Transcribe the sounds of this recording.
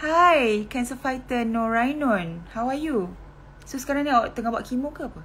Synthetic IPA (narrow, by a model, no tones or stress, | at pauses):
hajkɛ̃nsəfajt̪ənɔ̃ɹajnɔ̃nhawaju | sosə̥kaɾaŋniaʔt̪əŋahbaʔkimukəapa